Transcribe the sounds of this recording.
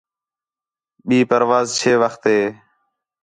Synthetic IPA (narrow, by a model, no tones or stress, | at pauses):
ɓiːpəɾʋaːzt͡ʃʰeːʋəxt̪ɦeː